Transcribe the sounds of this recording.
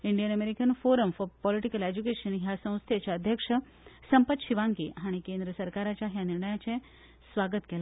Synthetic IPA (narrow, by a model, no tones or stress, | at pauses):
iɳɖijənəmeɾikənfoɾəmfɔɾpɔliʈikəled͡ʑukeɕənɦjasə̃w̃st̪ʰet͡ɕaəd̪ʱjəkʂə | səmpət̪ɕiʋãŋkḭɦaɽ̃ikẽnd̪ɾəsəɾkaɾat͡ɕjaɦjaniɾɳəjat͡sẽ | sʋaɡət̪kela